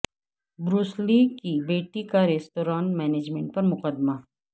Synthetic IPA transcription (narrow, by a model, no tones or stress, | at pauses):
bɾuːsliːkibeːʈikaɾeːsʈoːɾaːnʈmɛːneːd͡ʒmẽɳʈ̚pɐɾmʊqəd̪ma